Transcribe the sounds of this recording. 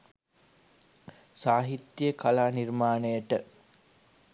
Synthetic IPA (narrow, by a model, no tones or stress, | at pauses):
saːɦit̪jəkalaːnirmaːnəjəʈə